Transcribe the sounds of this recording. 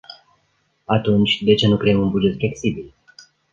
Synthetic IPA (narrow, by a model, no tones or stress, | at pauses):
at̪unt͡ʃʲd̪e̞t͡ʃenukɾe̞jemunbud͡ʒe̞t̪fle̞ksibil